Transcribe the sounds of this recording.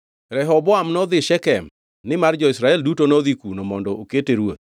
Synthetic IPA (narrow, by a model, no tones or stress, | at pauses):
ɾɛɦɔbɔamnɔd̪ɪʃɛkɛm | nɪmard͡ʒɔɪsɾaɛldutonoðikunɔmɔndɔoketeɾwot̪̚